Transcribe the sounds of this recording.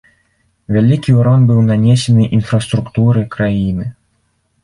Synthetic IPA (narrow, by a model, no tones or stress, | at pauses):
vʲalʲikʲiuɾɔnbɨwnanʲesʲɛnɨʔinfɾɐst̪ɾukt̪uɾɨkɾajinɨ